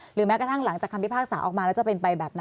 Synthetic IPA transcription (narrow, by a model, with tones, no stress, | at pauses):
ɾɯː˩˦mɛː˦˥kt̪a˥˩ŋla˩˦ŋt͡ɕaː˨˩kʰːa˧mʰi˦˥pʰaː˥˩k̚saː˩˦ʔɔː˨˩k̚maː˧lɛ˦˥wt͡ɕa˨˩pe˧npa˧jbɛː˨˩p̚na˦